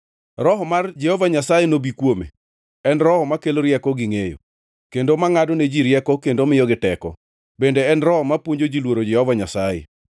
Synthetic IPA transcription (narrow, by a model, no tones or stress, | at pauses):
ɾɔɦɔmard͡ʒɛhɔvaɲasajenobikwomḛ | ɛnɾɔhɔmakeloɾjɛkɔɡɪŋejo̰ | kendomaŋadɔned͡ʒiɾjɛkɔkendomɪjɔɡɪtɛkɔ̰ | bendeɛnrɔhɔmapwoɲd͡ʒod͡ʒilwoɾod͡ʒɛhɔvaɲasajḛ